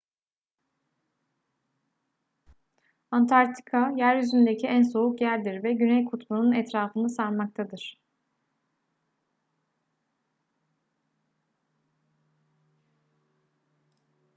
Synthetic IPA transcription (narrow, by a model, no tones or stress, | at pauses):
ant̪ʰaɾt̪ʰi̥kʰajæɾjyzynd̪ecʰiænso̞ukjæɾʲd̪iɾvɛɟynɛjkʰut̪ʰmununɛt̪ɾaːfɯnɯsanmak̚t̪ʰad̪ɯɾ̥